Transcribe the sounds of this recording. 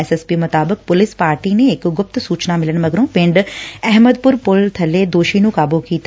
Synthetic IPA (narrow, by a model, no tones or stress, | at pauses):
esespimʊt̪aːbək̚pʊlɪspaːɾʈineːkɡʊpt̪suːt͡ʃnamɪləñmɐɡɾõːpɪ̃ɳɖɛɦməd̪pʊɾpʊlt̪ʰɐled̪oːʃinũkaːbokiːt̪